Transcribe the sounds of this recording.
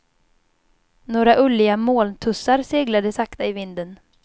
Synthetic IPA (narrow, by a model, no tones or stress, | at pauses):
noːɾaʔɵlɪɡamoːlt̪ʰɵsaɾseːɡlad̪əsakt̪aɪvɪnd̪ən